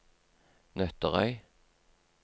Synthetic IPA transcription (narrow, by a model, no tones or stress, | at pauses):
nœt̪əʁœ̰ʏ